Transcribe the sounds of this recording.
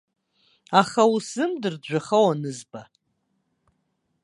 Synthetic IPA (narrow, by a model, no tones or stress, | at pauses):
aχausɨmdɨrd͡ʒʷaχawanɨzba